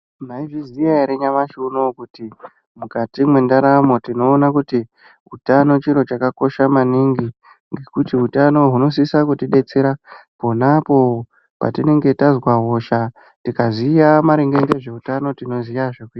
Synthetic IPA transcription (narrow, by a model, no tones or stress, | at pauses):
maiʐizijaeɾeɲamaʃunokuti | mukatimwe̞ndaɾamo̞tino̞ːnakuti | ɦutano̞t͡ʃiɾo̞t͡ʃakako̞ʃamaniŋɡi | ŋɡe̞kutiɦutano̞ɦuno̞s̬isakutiɗe̞t͡se̞ɾapo̞napo̞ | pa̰tine̞ŋɡe̞tazwaɦo̞ʃa | tikaziːjamaɾeŋɡe̞ŋɡeʐe̞utano̞tino̞zijaʐekuia